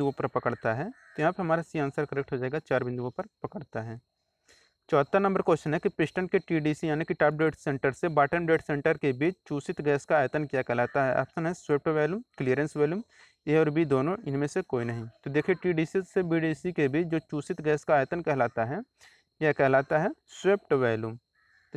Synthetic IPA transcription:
opɐɾpɐkəɽt̪aɦɛːt̪ojɐɦãːpeɦɐmaːɾasiãːnsəɾkəɾeːk̚ʈɦod͡ʒaːeɡat͡ʃaːɾbɪ̃nd̪uɡõpɐɾpɐkəɽt̪aɦɛː | t͡ʃɔːt̪ːanɐ̃mbəɾkoːʃənɦɛkipɪsʈənkeʈiːɖiːsijaːnekiʈaːp̚ɖeːʈsẽːɳʈəɾsebaːʈənbɾeːʈsẽːɳʈəɾkebʱiːt͡ʃʰt͡ʃuːsɪt̪ɡɛːskaːjt̪ənkijakɛɦlaːt̪aɦɛʔɐ̰psənɦɛswep̚ʈʋɛːljumklijəɾə̃nsʋɛːljuːm | eɔːɾbʱid̪oːnõɪnmẽsekoːinɐɦĩt̪od̪eːkʰieʈiːɖiːsisebiːɖiːsikebiːt͡ʃʰd͡ʒoːt͡ʃuːsɪt̪ɡɛːskaːjt̪ənkɛɦlaːt̪aɦɛ | kjakɛɦlaːt̪aɦɛsweːp̚ʈʋɛːljum

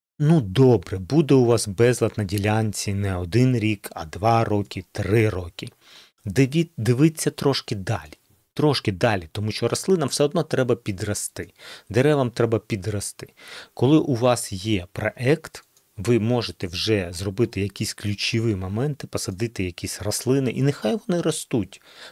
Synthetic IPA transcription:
nud̪ɔbɾɛbud̪ɛʊʋɑsbɛzlˠɐt̪nɐdʲilʲanʲt͡sʲinɛɔd̪ɪnɾʲikɐ̰d̪ʋɑɾɔkʲɪt̪ɾɪɾɔkʲɪ | d̪ʲd̪ɪʋɪt͡sʲːɐt̪ɾɔʃkɪd̪ɑ̰lʲi | t̪ɾɔʃkɪd̪ɑlʲit̪ɔmuʃt͡ʃɔɾɐslˠɪnɐwsɛɔd̪nɔt̪ɾɛbɐpʲid̪rɐst̪ɪd̪ɛɾɛʋɐmt̪ɾɛbɐpʲid̪rɐst̪ɪ̥kɔlˠɪʔuʋɑsjɛpɾɔʔɛkt̪ | ʋɪmɔʒet̪ɛwʒɛzrɔbɪt̪ɪjɐkʲisʲklʲut͡ʃɪʋɪmɔmɛnt̪ɪpɔsɐd̪ɪt̪ɪjɐkʲisʲrɐslˠɪnɪʔinɪxɑjʋɔnɪɾɔst̪utʲ

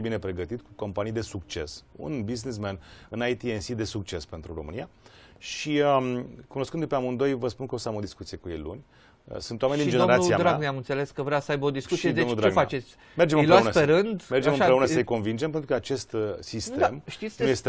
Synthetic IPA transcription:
ebine̞pɾe̞ɡət̪it̪kuko̞mpanijd̪e̞sukt͡ʃe̞̰sṵnbiznis̬menɨnajt̪iensid̪e̞suk̚t͡ʃe̞spent̪ɾuro̞mɨnija | ʃiəmkuno̞skɨnd̪upeamund̪o̞jvəspunkəosamo̞d̪iskut̪sije̞kujejlṵnʲ | ə̰sɨnt̪owamenʲd̪ind͡ʒeeoɾasiad̪ɾaaɡneamɨnt̪se̞le̞skəvɾeasəajbod̪iskut̪sied̪onud̪ɾeɡ̪fa̰t͡ʃe̞t̪sʲ | merd͡ʒemɨjloeausnəpeɾɨnd̪me̞rd͡ʒemɨmpɾeunəsəjko̞nvind͡ʒempet̪ɾukəat͡ʃe̞st̪sist̪mʃt̪isʲnuje̞st̪e

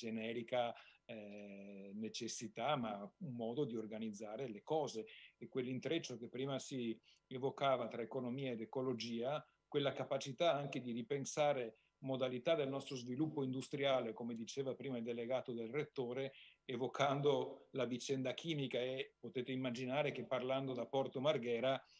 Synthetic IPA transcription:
d͡ʒenɛːɾika | net͡ʃesːit̪amaumːɔːd̪od̪iorɡanid̪zːaːɾelekɔːzeːkːwelːint̪ɾet͡ʃːokepːɾiːmasi | evokaːvat̪ɾaekonomiːaed̪ekolod͡ʒiːa | kwelːakapat͡ʃit̪aaŋk̟ed̪iɾipensaːɾe | mod̪alit̪ad̪elnɔst̪ɾozvilupːoind̪ust̪ɾjaːlekomed̪it͡ʃeːvapɾiːmaild̪eleɡaːt̪od̪elret̪ːoːɾeːvokʰand̪olavit͡ʃɛnd̪akʰiːmikaepot̪eːt̪eimːad͡ʒinaːɾek̟epːarland̪od̪apɔrt̪omarɡɛːɾa

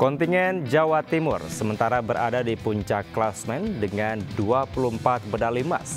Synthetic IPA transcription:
kɔnt̪iŋɛnd͡ʒawat̪imʊrsəmənt̪aɾabəɾʔa̰dadipuɲt͡ʃakːlasmɛndəŋanduapulumpat̪̚bədalima̰s

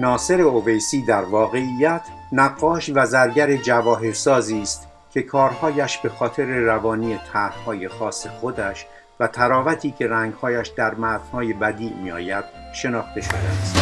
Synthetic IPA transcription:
nɒːse̞ɾe̞ove̞jsiːd̪æɾvɒːɣe̞ijːæt̪ʰ | næɡːɒːʃvæzæɾɟæɾe̞d͡ʒævɒːɦe̞ɾsɒːziːst̪ | kʰʲe̞kʰɒːɾhɒːjæʃbe̞xɒːt̪ʰe̞ɾe̞rævɒːniːe̞t̪ʰæhhɒːje̞xɒːse̞xod̪æʃ | væt̪ʰæɾɒːvæt̪ʰiːcʰe̞ɾæŋɡhɒːjæʃd̪æɾmæz̥hɒːje̞bæd̪iːmiɒ̰ːjæd̪̥̚ʃe̞nɒːχt̪e̞ʃo̞d̪eæst̪

